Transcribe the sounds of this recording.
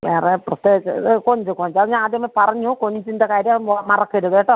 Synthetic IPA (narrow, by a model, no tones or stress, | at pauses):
ʋeːreprɐst̪eːit͡ɕːɨkoɲd͡ʑukoɲd͡ʑɐðɲaːnaːd̪jɐmːɐpɐrɐɲːukoɲd͡ʑundekaːɾjɐmmɐrɐkːeɾuðeːʈːɨ